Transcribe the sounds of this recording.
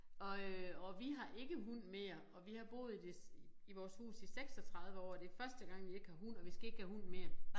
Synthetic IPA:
ɒ̽øɒ̽ʋiɦɑ̈ʔe̝ɡ̥əɦun̰me̝ːɐɒ̽ʋihɑ̈b̥o̝̰ːð̞̩ˠid̥eiʋɒːshṵːsiseɡ̥sɒ̽t͡sʰʁɑ̈ð̞ˠʋəɒ̰ːd̥e̝fɶɐsd̥əɡ̥ɑ̈ŋ̰ʋie̝ɡ̥əhɑ̈ɦun̰ɒ̽ʋisɡ̥æe̝ɡ̥əhæhun̰me̝ːɐ

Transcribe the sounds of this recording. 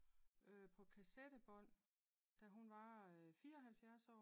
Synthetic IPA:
øpʰɒ̽kʰæsed̥əb̥ɔ̽n̰ | d̥æɦunʋɑ̈fiːɐɒ̽ɦælfjæɐsɒ̰ː

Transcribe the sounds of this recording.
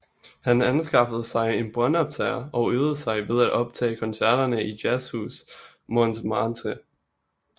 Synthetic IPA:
hænænsɡ̥ɑ̈fəð̞̩ˠsɑ̈ɪe̝nb̥ʁɶnɒ̽b̥t͡sʰɛɐɒ̽øːð̩ˠsɑ̈ɪʋe̝ð̞ˠæd̥ɒ̽b̥̚t͡sʰɛ̰ːkʰɒ̽nsæɐ̰ɾ̥ɐnəʔid̥jæshṵːs | mɔnd̥ʰmɑ̈ːnt͡sʰe

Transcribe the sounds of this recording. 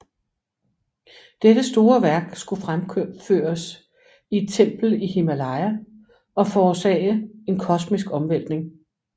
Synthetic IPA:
d̥ed̥əsd̥o̝ːɐʋæɐɡ̥sɡ̥ufʁamfø̰ːɐs | ie̝d̥̚t͡sʰem̰b̥l̩ihe̝mælɑ̈ɪæ | ɒ̽fɒːsɛ̰ːɪəe̝nkʰɒ̽smisɡ̥ɒ̽mʋel̰d̥ne̝ŋ

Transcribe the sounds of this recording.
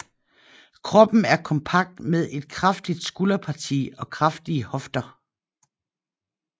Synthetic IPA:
kʰʁɒ̽b̥n̩æɐkʰɒ̽mpʰɑ̈ɡ̥̚d̥með̞ˠe̝d̥̚kʰʁɑfd̥id̥sɡ̥ulɐpʰɑ̈t͡sʰḭːɒ̽kʰʁɑfd̥iəhɒ̽fd̥ɐ

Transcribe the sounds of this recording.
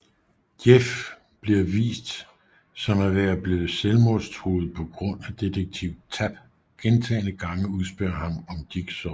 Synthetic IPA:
jef | b̥liɐʋḭːsd̥ | sɒ̽mæɐʋeɐb̥le̝ːð̩ˠselmɔst͡sʰʁo̰ð̩ˠpʰɒ̽ɡ̥ʁɔ̽n̰æd̥e̝d̥əɡ̥̚t͡sʰiʊ̰̥t͡sʰæb̥ | ɡ̥ent͡sʰɛ̰ːnəɡ̥ɑ̈ŋəuðˠsb̥ɶɐhɑ̈mɒ̽md̥iɡ̥sɒ

